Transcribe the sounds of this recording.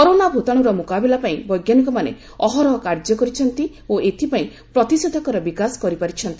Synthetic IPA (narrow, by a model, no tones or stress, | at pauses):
kɔɾonabʱot̪aɽ̃uɾɔmukabelapaĩbɔjɡjanɔkɔmanḛ | ɔɦɔɾɔkaɾd͡ʒɔkɔɾit͡ʃʰɔnt̪i | oʔet̪ʰipaĩ | pɾɔt̪isod̪ʱɔkɔɾɔbikasɔ̥kɔɾipaɾit͡ʃʰɔnt̪i